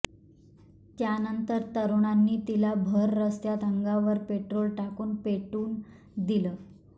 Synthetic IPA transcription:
t̪janənt̪əɾt̪əɾuɳ̃anːiːt̪ilabʱəɾːəst̪jat̪əŋɡaʋəɾpeʈɾolʈakuːnpeʈuːn | d̪iləː

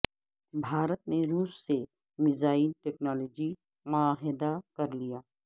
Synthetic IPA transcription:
bʱaːɾət̪neɾuːsːe | mɪzaːilʈɛːknaːloːd͡ʒi | mʊaːɦɪd̪akɐɾlijaː

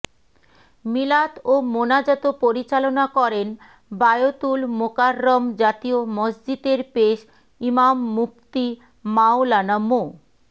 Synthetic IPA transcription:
milat̪omonad͡ʑɔt̪opoɾit͡ɕalonakɔɾen | bajot̪ulmokaɾːɔmd͡ʑat̪iomɔd͡ʑd͡ʑid̪eɾpeʃ | imamːuk̚t̪i | maolanamo

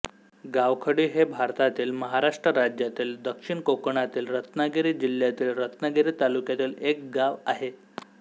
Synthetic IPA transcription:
ɡaʋkʰəɽiːɦebʱaɾt̪at̪iːlməɦaɾaʂʈɾəɾad͡ʑjat̪iːld̪əkʂiɳkokɳat̪iːlɾət̪naɡeɾiːd͡ʑiljat̪iːlɾət̪naɡeɾiːt̪alukjat̪iːlek̚ɡaʋaɦe

